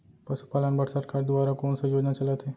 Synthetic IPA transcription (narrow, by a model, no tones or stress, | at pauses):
pɐsu̥paːlənbəɽsəɾkaːɾd̪ʊʋaːɾakoːnsajoːd͡ʒnat͡ʃɐlət̪ɦeː